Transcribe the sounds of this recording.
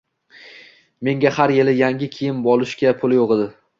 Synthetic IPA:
me̞ŋʲahaɾjelɪjaŋʲɪkʲʰijɪnbɒlˠɪʃkʲapʰʊlˠjoʁɨd̪ɪ

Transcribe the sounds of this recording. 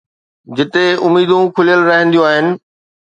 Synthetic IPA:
d͡ʑɪt̪eʊmːiːd̪ũkʰʊlijəlɾɐɦə̃nd̪ijũaːɦɪnɪ̆

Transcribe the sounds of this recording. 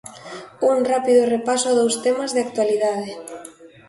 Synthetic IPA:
uŋrapiðʊrepasʊaðowst̪emazðɪak̚t̪waliðað̞ɪ

